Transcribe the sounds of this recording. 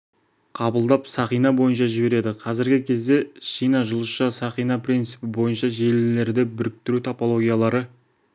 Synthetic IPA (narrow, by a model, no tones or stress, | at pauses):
qʰɑbəlˠd̪ɑpsɑχijnɑbo̞jənʃɑʒɪbe̞ɾe̞d̪ɪqʰɑzɪɾɡʲɪkʲʰe̞zd̪e̞ʃijnɑʒʊlˠəsʃɑsɑχijnɑprʲijnt̪sɨpɪbo̞jənʃɑʒe̞lle̞ɾd̪ɪbʏɾɪk̚t̪ɪɾut̪ʰapo̞lˠo̞ɡʲijalˠɑɾə